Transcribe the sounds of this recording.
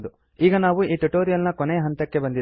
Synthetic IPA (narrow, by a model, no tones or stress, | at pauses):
d̪u | iːɡɐnaːʋuiːʈuʈoːɾijɐlnɐkɔneɐɦɐnt̪ɐkːe̞bɐnd̪id̪